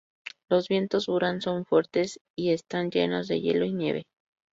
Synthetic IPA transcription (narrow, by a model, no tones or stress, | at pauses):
lo̞zβje̞nt̪o̞zβuɾanso̞ɱfwe̞ɾt̪e̞s | iest̪and͡ʒe̞̰no̞zðe̞̰je̞̰lo̞inje̞̰βḛ